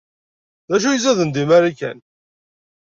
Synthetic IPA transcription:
ðæʃ̬ujəzæðənd̪imæɾikæ̰n

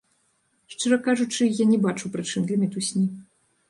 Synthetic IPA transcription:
ʂt͡ʂɨɾɐkaʐut͡ʂɨjanʲɛbat͡ʂuwpɾɨt͡ʂɨmd̪lʲɐmʲɛt̪usʲnʲi

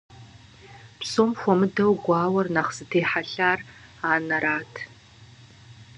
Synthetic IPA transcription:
psoːmxʷɔmɨdɐwɡʷɑːwɐrnaχz̥ɨtʰeːħaɬaːr | aːnɐɾaːtʰ

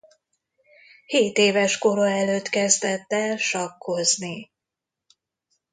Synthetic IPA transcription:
heːt̪eːvɛʃko̞ɾoɛløːt̪kɛzd̪ɛt̪ːɛlʃɒkʰːo̞zni

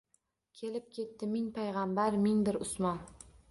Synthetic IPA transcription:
kʲʰe̞lɪp̚kʲʰe̞t̪ːɪmɪŋpʰajʁambaɾmɪŋbɪɾʊsmɒn

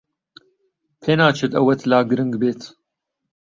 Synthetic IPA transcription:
pʰenaːt͡ʃʰɨt̪ɐwɐt̪ʰlaːɡɨɾɨŋɡbeːt̪ʰ

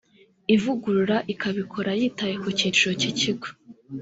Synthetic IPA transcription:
ivuɡuɾuɾaʔikaβikʰo̞ɾajiːtajekociɾo̞ciciɡo̥

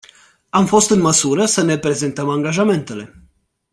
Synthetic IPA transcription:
amfo̞st̪ɨnməsuɾəsəne̞pɾe̞ze̞nt̪əmaŋɡaʒame̞nt̪e̞le̞

